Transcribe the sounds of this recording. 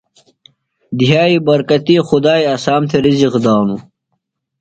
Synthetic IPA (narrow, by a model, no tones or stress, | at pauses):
d̪iɦaːibɐɾkɐt̪iːxud̪aːjɐsaːmt̪ʰeɾiziqd̪aːmu